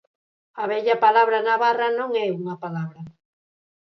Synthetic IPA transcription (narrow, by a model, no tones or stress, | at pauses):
ɐβɛʎɐpalaβɾɐnaβarɐnõŋɛuŋɐpalaβɾɐ